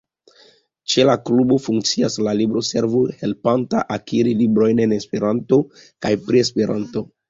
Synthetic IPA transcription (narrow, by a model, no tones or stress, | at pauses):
t͡ʃe̞laklubo̞fuŋk̚t͡siaslalibɾo̞se̞ɾvuhe̞lpanta̰ʔakiɾilibɾo̞jne̞ne̞spe̞ɾanto̞ | kajpɾie̞spe̞ɾa̰nto̞